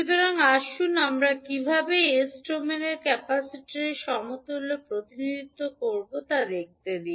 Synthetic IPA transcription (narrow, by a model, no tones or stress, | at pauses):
ut̪oɾoŋaʃunamɾakibʱabeesʈɾomeneɾkɛpasiʈiɾeʃɔmot̪olopɾot̪inid̪ʱit̪ːokoɾbot̪ad̪ek̚t̪ed̪i